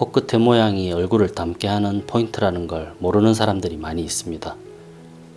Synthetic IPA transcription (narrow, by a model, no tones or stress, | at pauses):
kok͈ɯtʰːe̞mojaŋiʌɭɡuɾɯɭtamk͈e̞ɦanɯnpʰointʰɯɾanɯnɡʌɭmoɾɯnɯnsʰaɾamdɯɾimaɲiːs͈ɯmɲida